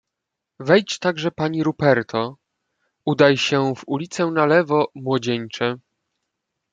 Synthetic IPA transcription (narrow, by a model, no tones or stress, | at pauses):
vɛjt͡ɕt̪aɡʐɛpaɲiɾupɛɾt̪ʰɔ | ud̪ajɕɛvulʲit̪sɛnalɛvɔmwɔd͡ʑeɲt͡ʂɛ